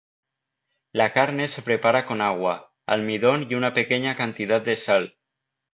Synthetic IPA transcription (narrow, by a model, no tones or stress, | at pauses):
lakaɾnesepɾepaɾakonaɣ̞wa | a̰lmiðonjunapekeɲakant̪iðat̪̚d̪esal